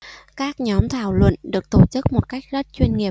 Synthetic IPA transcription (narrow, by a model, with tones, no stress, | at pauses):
kaː˦˥k̚ɲɔ˨˦mt̪ʰaː˧˩wlwə̰˧˨nɗɨ˨˩ək̚t̪o˧˩t͡ɕɨ˦˥k̚mo˨˩t̚ka˦˥jk̟̚zə˦˥t̚t͡ɕwi˧nŋi˨˩ə